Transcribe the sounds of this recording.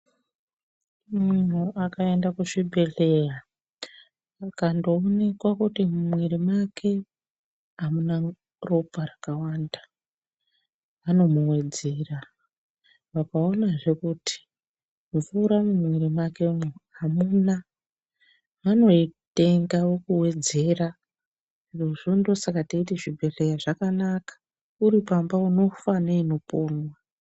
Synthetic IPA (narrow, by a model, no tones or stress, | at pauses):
mun̤uakae̞ndakuʂibʱe̞ɬe̞ra | kandoːne̞kwakutimumwiɾimakʰe̞ | amuna | ro̞paɾakawaːnda | ano̞muwe̞d͡zera | ʋakao̞naʐe̞kutʰi̥ | mufuɾamumwiɾimakemoamuna | ʋano̞ite̞ŋɡawokuwe̞d͡ze̞ra | iruʐindo̞sakataiteʐibʱe̞ɬejaʐakanakḁ | uɾipambauno̞faneino̞poːnwa